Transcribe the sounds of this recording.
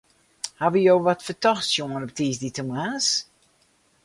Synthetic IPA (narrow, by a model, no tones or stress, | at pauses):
haʋəjoːʋɔtfətɔxsjoənɔptiːsditəmaːs